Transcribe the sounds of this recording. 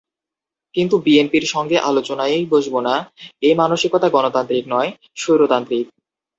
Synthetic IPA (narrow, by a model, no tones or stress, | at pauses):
kint̪ubienpiɾʃɔŋɡeʔalot͡ɕonaejboʃbonaemanoʃikot̪aɡɔnot̪ant̪ɾiknɔe | ʃojɾot̪ant̪ɾik̚